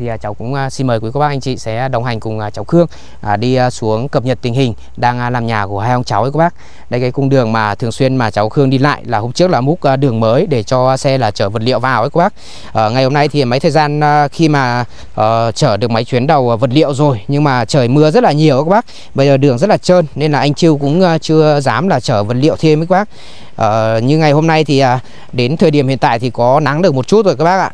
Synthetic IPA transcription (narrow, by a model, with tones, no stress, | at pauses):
t̪ʰi˨˩aː˨˩t͡ɕa˨˦wkʊ̰˧˥ŋ͡msi˧nməː˨˩jkwko˧˦waː˦˥k̚ʔa˧ŋ̟t͡ɕḭ˧˨sɛ̰˧˥˧ɗə˨˩wŋ͡mɦa˨˩ŋ̟kʊ˨˩ŋ͡mt͡ɕa˨˦wxɨ˧əŋ | ʔːɗi˧su˨˦əŋkə˨˩p̚ɲə˨˩t̚t̪ï˨˩ŋ̟hï˨˩ŋ̟ | ɗaː˧ŋʔlaː˨˩mɲaː˨˩ku˧˩əhaː˧jhə˧wŋ͡mt͡ɕa˨˦wʔə˨˦kɓaː˦˥k̚ | ɗə˧jkaː˨˦jkʊ˧ŋ͡mɗɨ˨˩əŋmaː˨˩t̪ʰɨ˨˩əŋswi˧ənmaː˨˩t͡ɕa˨˦wxɨ˧əŋɗi˧la̰ː˧˨jlaː˨˩ho˧mt͡ɕɨ˦˥ək̚laː˨˩mʊ˦˥t̚ʔɗɨ˨˩əŋməː˨˦jɗe˧˩t͡ɕɔ˧sɛ˧laː˨˩t͡ɕəː˧˩və˨˩t̚lḭ˧˨əwvaː˨˩wʔə˨˦ko˨˦ɓaː˦˥k̚ | ʔəː˧˩ŋa˨˩jho˧mna˧jt̪ʰi˨˩˨ma˨˦jt̪ʰəː˨˩jzaː˧nː˧xi˧maː˨˩ | ʔəː˨˩t͡ɕəː˧˩ɗɨ˨˩ək̚ma˨˦jt͡ɕwi˨˦ənɗə˨˩wvə˨˩t̚lḭ˧˨əwzo˨˩jɲɨ˧ŋmaː˨˩t͡ɕəː˧˩jmɨ˧əzə˦˥t̚laː˨˩ɲi˨˩əwʔə˨˦˥ɓaː˦˥ | ɓə˧jzəː˨˩ɗɨ˨˩əŋzə˦˥t̚laː˨˩t͡ɕəː˧nne˧nlaː˨˩ʔa˧jŋ̟t͡ɕi˧əwkʊ̰˧˥ŋ͡mʔt͡ɕɨ˧əzaː˨˦mlaː˨˩t͡ɕəː˧˩və˨˩t̚lḭ˧˨əwt̪ʰi˧mi˦kɓaː˦˥k̚ | ʔəː˨˩ɲɨ˧ŋa˨˩jho˧mna˧jt̪ʰi˨˩ʔaː˨˩ | ɗe˨˦nt̪ʰəː˨˩jɗi˧˩əmhḭ˧˨ənt̪a̰ː˧˨jt̪ʰi˨˩kɔ˨˦na˨˦ŋɗɨ˨˩ək̚mo˨˩t̚t͡ɕu˦˥t̚zo˨˩kaː˦˥kɓaː˦˥k̚ʔa̰ː˧˨